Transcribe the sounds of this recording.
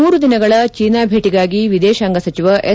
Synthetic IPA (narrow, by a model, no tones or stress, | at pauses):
uːɾud̪inɐɡɐɭɐt͡ʃiːnaːbʱeːʈiɡaːɡiʋid̪ɛːʃaːŋɡɐsɐt͡ʃiʋɐʔe